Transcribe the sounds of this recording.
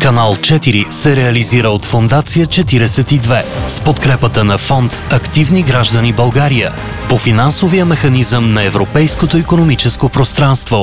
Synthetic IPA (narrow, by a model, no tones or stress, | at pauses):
kɐnalˠt͡ʃɛt̪iɾisɛɾɛɐliziɾəot̪fond̪at̪sijət͡ʃɛt̪iɾɛsɛt̪id̪vɛspot̪kɾɛpət̪ənɐfɔnt̪ɐkt̪ivniɡɾaʒd̪ənibɐlˠɡaɾijə̰ | pofinansovijəmɛxɐnizəmnɐɛvɾopɛjskot̪oikonomit͡ʃɛskopɾost̪ɾanst̪vo